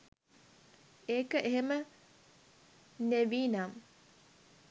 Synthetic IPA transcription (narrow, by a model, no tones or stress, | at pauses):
eːkəʔeɦemə | neʋiːnam